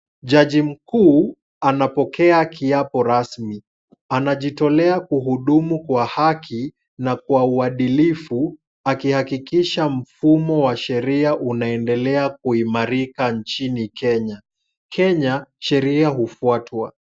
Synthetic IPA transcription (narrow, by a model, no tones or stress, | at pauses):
ʄaʄim̩kuː | anapɔkɛakiapɔɾasmi | anaʄitɔlɛakuɦuɗumukwahakʰi | nakwauaɗilifu | akihakikiʃam̩fumɔwaʃɛɾiaʔunaɛndɛlɛak̚uimaɾikant͡ʃinikɛɲa | kʰɛɲaʃɛɾiaɦufuatwa̰